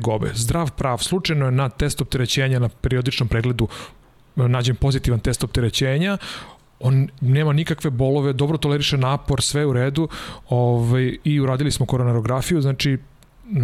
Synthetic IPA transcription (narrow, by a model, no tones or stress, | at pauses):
ɡobḛzd̪ɾaːʋpɾaːʋslˠut͡ʂajnojenat̪e̞st̪op̚t̪eɾe̞t͡ɕeːɲanapeɾiod̪it͡ʃnompɾeɡle̞d̪u | naːd͡ʑempo̞zit̪iʋant̪e̞st̪o̞p̚t̪eɾet͡ɕeːɲa | oːnne̞ːmanikakʋe̞bo̞lˠoʋed̪obɾot̪o̞leɾiʃenaːpoɾsʋeuɾeːd̪uoʋajiuɾaːd̪ilismokoɾonaɾo̞ɡɾafijuznaːt͡ʂi